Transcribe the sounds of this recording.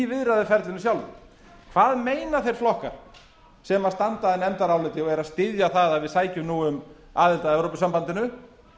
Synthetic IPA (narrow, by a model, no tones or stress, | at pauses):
vɪðɾaðɪfɛɾt̪lɪnʏsjawlvɪ̰ | kʰvaːðmeːjnaθejɾ̥flɔhka̰ɾ̥ | sɛmast̪ant̪aðɪnɛnt̪aɾawlɪt̪ɪɔɛɾaðst̪ɪðjaθaðaðvɪðsaːjcʏmnuːʏm | aːðɪlt̪aðɛwɾopʏsampant̪ɪnʏ